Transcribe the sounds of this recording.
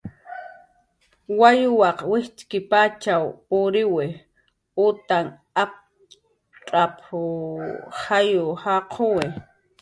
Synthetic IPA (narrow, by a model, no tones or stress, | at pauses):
wajʊwɑqwɪht͡ʃkɪpat͡ʃawʊɾɪwɪ | ʊt̪aŋ | ap̚ | ʈ͡ʂʼapʰʊ | hajʊhaqʰowɪ